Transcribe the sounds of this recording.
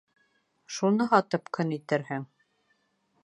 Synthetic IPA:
ʃunɤɦɑt̪ɤpkɵnit̪ɘ̆ɾhɘŋ

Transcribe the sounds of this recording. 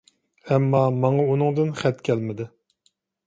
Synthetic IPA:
ɛmːɑmɑŋɑunɨŋd̪ɨnχɛt̪kʲʰælmɪd̪ɪ

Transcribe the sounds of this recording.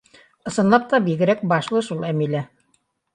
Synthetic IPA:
ɤ̆sɤ̆nlˠɑp̚t̪ɑbiɡɘ̆ɾæk̚bɑʃlˠɤʃulˠæmilæ

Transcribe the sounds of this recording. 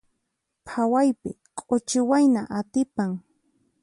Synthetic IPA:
pʰawajpɪ̰ | kʼot͡ʃɪwajnaʔat̪ɪpaŋ

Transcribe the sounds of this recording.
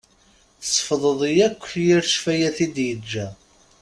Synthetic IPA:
θəsˤfðˤəðˤjækʷːθjiɾʃfæjæθid̪jəd͡ʒːæ

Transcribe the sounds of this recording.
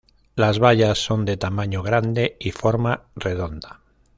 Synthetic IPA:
lazβaʎasːo̞nd̪et̪amaɲoɣɾand̪eifoɾmareðo̞nd̪a

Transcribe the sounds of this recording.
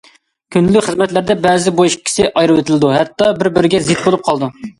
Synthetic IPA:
kʲʰynllːykʲχəzmɛt̪læɾd̪ɛbɛːzɪbuʃkʲʰi̥sɪʔɑjɾɨwɪt̪ʰɪlɪd̪uɦɛt̪ːɑbɪɾbɪɾɪɡʲɛzɪt̪̚bolˠup̚qʰɑlˠd̪u

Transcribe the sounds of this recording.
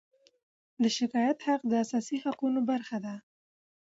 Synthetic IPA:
d̪əʃɪkɑjat̪haq̚d̪əasɑsihaqunobaɾxad̪a

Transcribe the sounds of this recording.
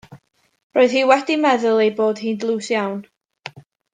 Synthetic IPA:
roːðhiːwɛdimɛðʊlˠejboːd̥hiːndlˠuːsjawn

